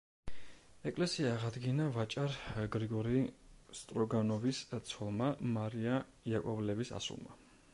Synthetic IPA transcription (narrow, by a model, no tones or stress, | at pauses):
ɛkʼlɛsiaːʁad̪ɡinavat͡ʃʼaɾɡɾiɡɔɾist̪ʼɾɔɡanɔvist̪sʰwɔlˠmamaɾia | jakʼɔvlɛvisa̰sṵlˠma